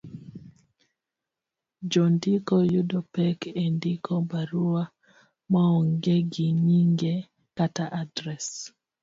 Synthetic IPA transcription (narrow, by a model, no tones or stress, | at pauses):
d͡ʒɔndikɔjudɔpɛkendɪkʰɔbaɾua | maɔŋɡeɡiɲiŋɡe | kataʔadɾɛs